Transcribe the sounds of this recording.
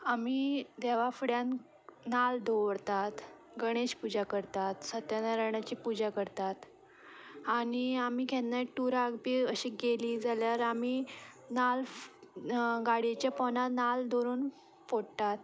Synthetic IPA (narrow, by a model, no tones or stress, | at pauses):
am̤iːd̪ɛʋafɽjan | nald̪ʱoʋɽt̪at̪ | ɡəɽ̃eɕpud͡ʑakəɾt̪at̪sət̪janaɾəɳat͡ɕiːpud͡ʑakəɾt̪at̪ | aɽ̃iamiːkʰɛ̃nnaʈːuɾaɡbiːəɕiːɡeliːd͡zaljaɾami | nal | ɡaɽet͡ɕjapɔnat̪nald̪ʱoɾuːn | foɽt̪at̪